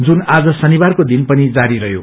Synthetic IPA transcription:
d͡zunad͡zʌsʌnibarkod̪inpʌnid͡zaɾiɾʌɦjo̰

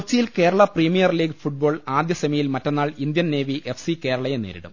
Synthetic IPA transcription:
kut͡ɕːijilke̞ːɾɐɭɐpriːmijɐrliːɡfuʈ̚bo̞ːɭaːd̪jɐsɐmɐjilmɐtːenːaːɭind̪jɐnne̞ːʋiʔe̞fsike̞ːɾɐɭɐjenḛːɾḭɽṵm

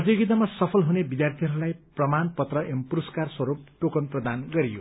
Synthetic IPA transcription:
ʌt̪joɡit̪̬amasʌpʰʌlɦunebid̪jart̪ʰiɦʌɾulajprʌmanpʌt̪rʌempuɾʌskarswʌɾup̚ʈokʌnprʌd̪anɡʌɾijo̰

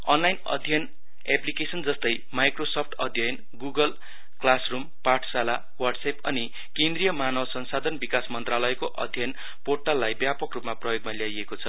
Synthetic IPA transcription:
ʌnlajnʌ̰d̪ʱjʌn | eplikesʌnd͡zʌst̪ʌj | majkrosopʰʈʌd̪ʱjʌjʌn | ɡuɡʌl | klasrumparʈʰsala | wʌrɖsepʌni | kẽnd̪rijʌmanʌwsʌnsad̪ʱʌnbikasmʌnt̪ralʌekoʔʌ̰d̪ʱjʌjn | porʈalːajbjapʌkrupmaprʌjoɡ̚maljajekot͡sʰʌ

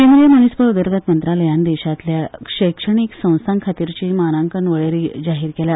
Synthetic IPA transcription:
kẽnd̪ɾijəmənispəɾud̪əɾɡət̪mənt̪ɾaləjãnd̪eɕat̪ljaʂəjkʂəɳ̃iksə̃w̃saŋkʰat̪iɾt͡ɕiːmanaŋkənʋəɭeɾid͡ʑaɦiːɾkelja

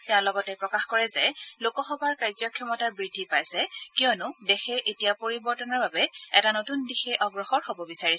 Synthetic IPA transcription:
tɛaʊ̃lɔɡɔtɛpɹɔkaxkɔɹɛzɛlokɔxɔbʱaɹkajzɔkʰjɔmɔtaɹbɹidʱːipajsɛkiɔnʊdexɛʔetijapoɹibɔɹtɔnɔɹbabɛɛtanotundixɛʔɔɡɹɔxɔɹhobɔbisaɹisɛ

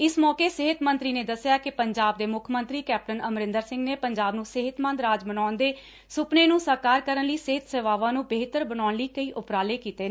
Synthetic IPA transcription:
ɪsmɔːkeːsɪɦɪt̪mənt̪ɾiːneːd̪əsjaːkɪpəɲd͡ʒaːb̚d̪eːmʊkʰmənt̪ɾiːkɛːp̚ʈənəmɾɪ̃nd̪əɾsɪ̃ŋɡneːpəɲd͡ʒaːbnũːsɪɦɪt̪mə̃nd̪ɾaːd͡ʒbənaːʊnd̪eː | sʊpneːnũːsəɾkaːɾkəɾənləiːsɪɦɪt̪seːʋaːʋãːnũːbeːt̪əɾbənaːnliːkəiːʔʊpɾaːleːkiːt̪eː

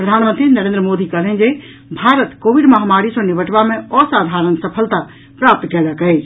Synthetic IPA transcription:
pɾəd̪ʱanmənt̪ɾinəɾend̪ɾəmod̪ikəlɦə̃nd͡ʒe | bʱaɾət̪koʋiɖməɦamaɾisə̃niʋəʈbameɔsad̪ʱaɾənsəpʰəlt̪a | pɾap̚t̪kɛləkəɪt͡ʃʰ

